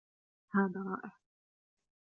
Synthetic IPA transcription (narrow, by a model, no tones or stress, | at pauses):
haːðaɾˤɑ̰ːʔɪħ